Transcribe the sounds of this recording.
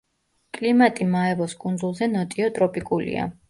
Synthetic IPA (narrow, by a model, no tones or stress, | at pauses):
kʼlimat̪ʼimaɛvɔskʼund̪zulˠzɛnɔt̪ʼiɔt̪ʼɾɔpʼikʼulḭa̰